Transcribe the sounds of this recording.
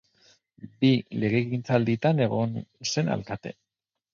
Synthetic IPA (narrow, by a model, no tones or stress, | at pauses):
bile̞ɣ̞e̞ɣint͡sald̪it̪ane̞ɣo̞nse̞na̰lkat̪e̞̰